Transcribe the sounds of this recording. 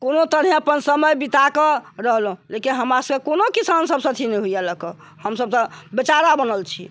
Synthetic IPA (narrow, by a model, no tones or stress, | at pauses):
konot̪əɾɦẽəpənsəməjbit̪akeɾəɦlɦũlekinɦəmɾasəekonokisansəbsə̃t̪ʰinɛɦuijaləkə | həmsəb̚t̪ɔbet͡ʃaɾabənəlt͡ʃʰḭ